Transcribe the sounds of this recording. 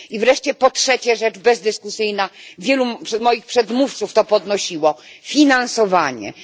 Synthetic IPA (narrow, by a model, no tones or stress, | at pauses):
ivɾɛʂt͡ɕɛpɔtʂɛt͡ɕɛʐɛt͡ʂbɛzd̪ɘskusɘjnavʲjɛluʂmɔjixpʂɛd̪muft̪suft̪ɔpɔd̪nɔɕiwɔfʲinansɔvaɲɛ̰